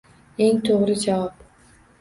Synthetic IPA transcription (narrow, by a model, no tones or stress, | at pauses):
e̞ŋt̪ʰoʁɾɪd͡ʒavap